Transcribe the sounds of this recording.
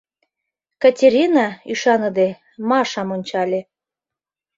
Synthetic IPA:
kɑtʲeɾʲinɑyʃɑnə̆d̪e | mɑʃɑmonʲt͡ɕɑlʲe

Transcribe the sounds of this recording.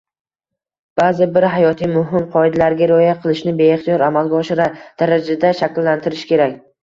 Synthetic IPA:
b̥aːzɪbɪɾɦajɒt̪ʰijmʊɦɪmqʰɒɪd̪alaɾɡʲaɾojaqʰɨlˠɪʃnɪbe̞ːχt̪ijɒɾamalˠɡʲaɒʃɪɾad̪̥aɾad͡ʒad̪aʃakʲlːant̪ʰɪɾɪʃkʲe̞ɾakʲ

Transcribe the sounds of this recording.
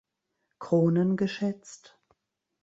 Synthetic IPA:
kʁ̥oːnənɡəʃɛt͡st

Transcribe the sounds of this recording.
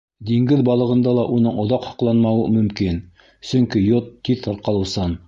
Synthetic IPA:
d̪iŋɡɘðbɑlˠɤ̆ʁɤ̆nd̪ɑlˠɑʔunɤɴŏðɑqhɑ̥̆qlˠɑnmɑwɤmɵ̆mkin | sɵ̆ŋkijot̪ʰːiθŏɾqɑlˠɤ̆wsɤn

